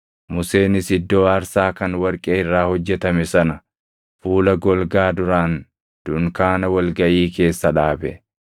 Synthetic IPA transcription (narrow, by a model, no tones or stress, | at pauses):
mʊse̞ːnɪsɪd̪ːo̞ːɐɾsaːkɐnwɐɾkʼeːɪrːaːhɔd͡ʒːɛt̪ɐmɛsɐnɐ | fuːlɐɡɔlɡaːd̪ʊɾaːn | d̪̥ʊŋkaːnɐwɐlɡɐʔiːke̞ːsːɐᶑaːbɛ̰